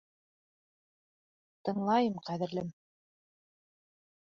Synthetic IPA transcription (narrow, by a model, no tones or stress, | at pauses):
t̪ɤ̆ɴlˠɑjɤmqæðɘ̆ɾlɘm